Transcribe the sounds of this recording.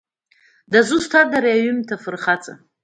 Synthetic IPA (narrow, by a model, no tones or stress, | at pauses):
dazustʰadaɾaaɥɨmtʰafɨrχat͡sʼa̰